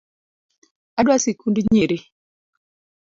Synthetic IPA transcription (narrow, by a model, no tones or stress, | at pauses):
adwasikundiɲeɾi